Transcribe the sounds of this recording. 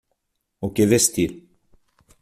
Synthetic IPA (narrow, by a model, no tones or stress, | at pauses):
okevest̪iɾ